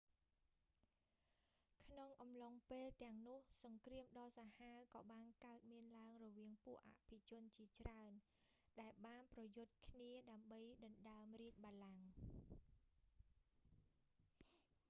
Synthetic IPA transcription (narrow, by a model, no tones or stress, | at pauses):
kʰnoŋʔɑmloŋpeːlt̪ɛ̆əŋnʊ̆əhsɑŋkriəmɗɑːsahaəkɑːɓaːnkaət̪̚miənlaəŋrɔʋiəŋpŭəʔa̰ʔpʰit͡ɕʊ̆ənt͡ɕiət͡ɕraən | ɗaɛlɓaːnprɑjʊt̪̚kʰniəɗaəmɓəjɗɑnɗaəmriət̪̚ɓalaŋ